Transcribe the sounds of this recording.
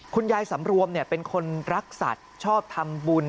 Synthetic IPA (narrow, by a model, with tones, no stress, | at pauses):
kʰu˧njaː˧jsa˩˦mɾu˧əmni˥˩pe˧nkʰo˧nɾa˦˥k̚sa̰˨˩t̪̚t͡ɕʰɔː˥˩p̚t̪ʰa˧mbuː˧n